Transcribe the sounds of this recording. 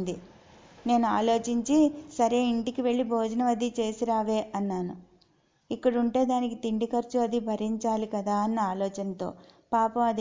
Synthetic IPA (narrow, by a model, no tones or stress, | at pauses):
nd̪i | ne̞ːnuaːlo̞ːt͡ʃiɲt͡ʃisɐɾeːiɳʈikiʋe̞ɭːibʱoːd͡ʒɐnɐʋɐd̪it͡ʃe̞ːsiɾaːʋe̞ːʔɐnːaːnu | ikːɐɽuɳʈe̞ːd̪aːnikit̪iɳɖikɐɾt͡ʃuɐd̪ibʱɐɾiɲt͡ʃaːlikɐd̪aːɐnːɐaːlɔːt͡ʃɐnɐt̪o̞̰ːpaːpɐmɐd̪